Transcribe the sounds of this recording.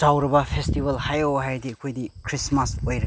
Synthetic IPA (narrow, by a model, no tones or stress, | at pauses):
d͡ʒawɾɐbɐpʰestibɐlhajowɦajdiɐkʰojdikʰɾismasojɾɐ